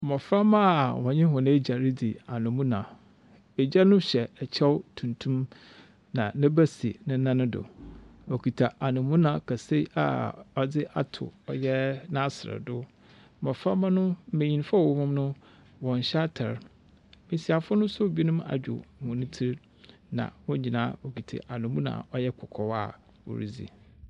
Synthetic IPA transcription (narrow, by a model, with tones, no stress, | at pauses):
mɔ̃˨fɾa˦mã˦˨wɔ̃˨ɲɪ̃˦hʊ̃˨nɪ̃˦d͡ʑa˨ɾɪ˦dɪ˨a˨nʊ̃˨mũ˦nã˨ | e˨d͡ʑɛ˦nʊ̃˦ɕɛ˨ɛ˨t͡ɕʰɛ˦wtʰũ˨ntʰũ˦m | nã˨nɪ̃˦bæ˦sḭ˨nɪ̃˦nã˦nʊ̃˦dʊ̰˨o˨kʰi˨tʰa˨ʔa˨nʊ̃˨mũ˦nã˨kʰa˨se˦i˦a̰˨ɔ˨dɪ˦ʔa̰˦tʰʊ̰˨ɔ˨jɛ˦nã˦sɪ˨ɾɛ̰˨dʊ˦ | mɔ̃˨fa˦mã˦nʊ̃˦m̩˦˨mẽ˨ɲĩ˨n˦fa˦˨o˨˦mʊ̃˦mnʊ̃˦ | wɔ̃˨n˨ɕa˦tʰa̰˨ɾ | mẽ˨si˨a˨fʊ˦nʊ̃˦sʊ˦˨bi˦i˦nũ˦ma̰˨d͡ʑᶣʊ̰˨mʊ̃˨nʊ̃˦tʰi˦ɾ | nã̰˨wʊ̃˦ɲ˦ɲĩ˨nãː˦o˨ki˨tʰa̰˨ʔa˨nʊ̃˨mũ˦nã̰˨ɔ˦jɛ˦kʰɔ˨kʰɔ˨wa̰˨ | wo̰˨ɾḭ˦d͡zḭ˨